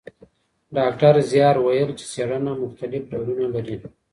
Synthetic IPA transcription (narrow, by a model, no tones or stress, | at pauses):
ɖɑk̚ʈaɾzjɑːɾwajəlt͡ʃe̥seɽanamʊxt̪alɪfɖawɾunalaɾin